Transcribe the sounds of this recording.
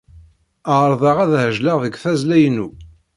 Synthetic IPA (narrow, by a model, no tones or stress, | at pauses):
əɾˤðˤɑʁæðhəʒləʁðəɡθæzlæjənːu